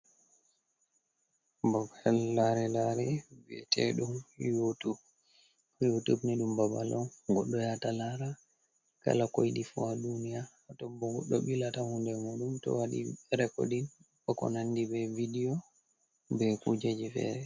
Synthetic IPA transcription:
babaɛlːaɾɛlaɾɛviɛ̰tʰɛ̰ɗumjotu | jotubniɗumbabalɔɡɔɗːɔjatalaɾa | ka̰lakojɗifuadunijaːtɔbːɔɡɔ̰ɗːɔɓilatahundɛmuɗumtɔ̰waɗḭɛɾɛko̰ɗin | ɓɔkɔ̰nanːdibɛvidijɔ | bɛkud͡ʒad͡ʒifɛ̰ːɾɛ

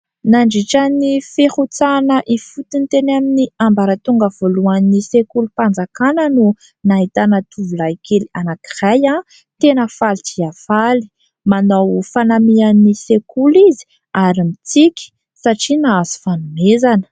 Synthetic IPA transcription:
naɳɖ͡ʐiʈ͡ʂanifehut͡sanəʔifut̪int̪enaminiambaɾət̪uŋɡəv̥oluanisekulupand͡zakanənu | naɦit̪anət̪ʰuvulajkelianaki̥raja | t̪enəfalit̪iafali̥ | manawfanamianisekulizi̥ | aɾimit͡sikʲi̥ | saʈ͡ʂinaazi̥fanumezanə̥

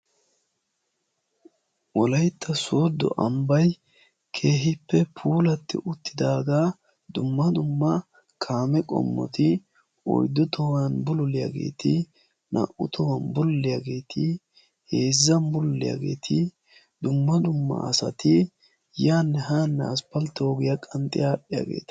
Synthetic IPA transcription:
wɔlɐjt̪ːɐsoːd̪ːɔ̰ʔɐmbɐj | kʰe̞ːɦɪpːɛpʰuːlɐt̪ːɪ̰ʔʊt̪ːɪd̪aːɡa | d̪ʊmːɐd̪ʊmːɐ | kʰaːmɛkʼɔ̰mːɔ̰t̪ɪ | ɔ̰jd̪ːʊt̪ʰɔwanbʊlʊlɪja̰ːɡe̞̰ːt̪ʰɪ | nʔɐ̰ʔʊt̪ʰɔwɐnbʊlːɪjaɡe̞ːt̪ʰɪ | he̞ːzːɐmbʊlːɪ̰ja̰ːɡe̞̰ːt̪ʰɪ | d̪ʊmːɐd̪ʊmːɐ̰ɐsɐt̪ɪ | jaːnːɛɦaːnːɛ̰ɐspɐlt̪ːoːɡɪjɐkʼɐnt̪ʼɪjaːɗɪja̰ːɡe̞̰ːt̪ɐ̥

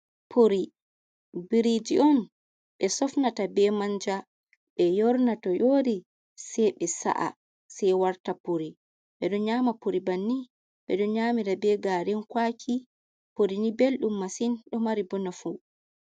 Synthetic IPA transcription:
pʰoɾi | biɾid͡ʒiʔɔn | ɓɛsɔfnatabɛmaɲd͡ʒa | ɓɛjɔɾnatɔjoːdi | sɛjɓɛsa̰ʔa̰ | sɛjwaɾtapoɾi | ɓɛɗɔɲaːmapoɾibanːi | ɓɛ̰ɗɔɲaːmiɾabɛɡaɾɛnkwakʰi | poɾinibelɗumːasinɗɔmaɾibɔnafu

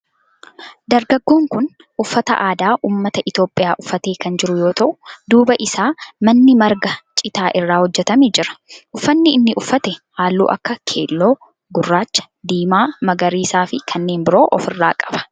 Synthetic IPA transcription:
d̪ɐɾɡɐɡːoːŋkʊn | ʔʊfːɐt̪ɐ̰ʔaːd̪aːʔuːmːɐt̪ɐʔɪt̪jo̞ːpʼːɪjaːʔʊfːɐt̪e̞ːkɐnd͡ʒɪɾʊjo̞ːt̪ɐʔʊ̥d̪uːbɐʔɪsaːmɐnːɪmɐɾɡɐt͡ʃʼɪt̪aːʔɪrːaːhɔd͡ʒːɛt̪ɐmed͡ʒɪɾɐ̥ʔʊfːɐnːɪɪnːɪʔʊfːɐt̪ɛhaːlːṵːʔɐ̰kːɐkʰe̞̰ːlːo̞ː | ɡʊrːaːt͡ʃːɐ̥d̪iːmaːmɐɡɐɾiːsaːfɪkʰɐnːe̞ːnbɪɾo̞ːʔɔfɪrːaːkʼɐ̥b̥ɐ̥

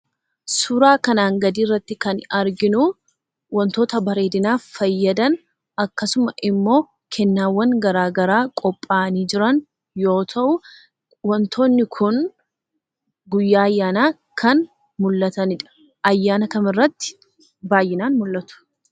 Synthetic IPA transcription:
sʊɾaːkɐnaːŋɡɐd̪iːrːɐt̪ːɪkɐnɐɾɡɪnʊ | wɔnt̪o̞ːt̪ɐbɐɾe̞ːd̪ɪnaːffɐjːɐd̪ɐn | ɐkːɐsʊmɐʔɪmːo̞ː | kʰɛnːaːwːɐŋɡɐɾaːɡɐɾaːkʼɔpʼːaːniːd͡ʒɪɾɐn | jo̞ːt̪ʰɐʔʊ | wɔnt̪ʰo̞ːnːɪkʰʊn | ɡʊjːaːɐjːaːnaː | kʰɐn | mʊlːɐt̪ɐnɪᶑɐ̥ | ʔɐjːaːnɐkɐmɪrːɐt̪ːɪ̥ | baːjːɪnaːnmʊlːɐt̪ʊ̥

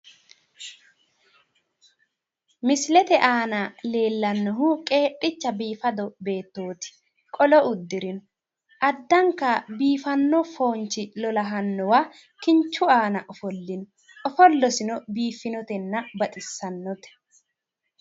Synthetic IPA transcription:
mɪslɛt̪ɛʔaːnɐle̞ːlːɐnːɔɦʊkʼeːpʼːɪt͡ʃːɐbiːfɐd̪ɔbe̞ːt̪ːoːt̪ɪ̥ | kʼɔlɔʊd̪ːɪɾɪnɔ | ʔɐd̪ːɐŋkːɐbiːfɐnːɔfo̞ːnt͡ʃɪlɔlɐɦɐnːɔwaː | kɪnt͡ʃːʊaːnɐʔɔfɔlːɪnɔ | ɔfɔlːɔsɪnɔbiːfːɪnɔt̪ɛnːɐbɐt̪ʼɪsːɐnːɔt̪ɛ̥

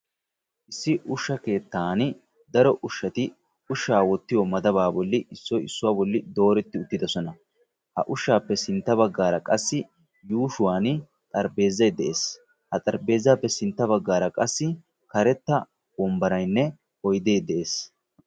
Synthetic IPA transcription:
ʔɪsːɪʔʊʃːɐke̞ːt̪ːaːn | d̪ɐɾɔʔʊʃːɐt̪ɪ | ʊʃːaːwɔt̪ːɪjɔmɐd̪ɐbaːbɔlːɪɪsːɔjɪsːʊwaːbɔlːɪd̪o̞ːɾɛt̪ːɪʊt̪ːɪd̪ɐsɔnɐ | hɐ̰ʔʊʃːaːpːɛsɪnt̪ːɐβɐɡːaːɾɐkʼɐsːɪ | juːʃʊwaːn | t̪ʼɐɾbe̞ːzːɐjd̪ɛʔeːs | hɐt̪ʼɐɾbe̞ːzːaːpːɛsɪnt̪ːɐβɐɡːaːɾɐkʼɐsːɪ | kɐɾɛt̪ːɐ | bɔmbɐɾɐjnːɛ | ɔjd̪e̞ːd̪ɛʔeːs

